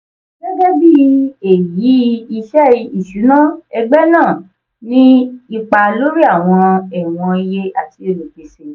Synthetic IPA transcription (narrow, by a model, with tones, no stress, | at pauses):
ɡɛ˦ɡɛ˦bi˦e˨ji˨˦i˧ʃɛ˦i˧i˦˨ʃu˨˦nã˦ɛ˧ɡ͡bɛ˦nãː˦˨ | nĩ˦i˧k͡pa˧lo˦ɾi˦a˦˨w̃ɔ̃˧ɛ˦˨w̃ɔ̃˧i˧je˦a˦˨ti˨˦e˨˧˨lo˨ki˨se˨